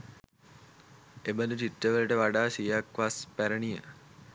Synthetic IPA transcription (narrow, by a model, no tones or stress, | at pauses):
ebəd̪uʈiʈːəʋələʈəʋaɖaːsijakʋaspæɾənijə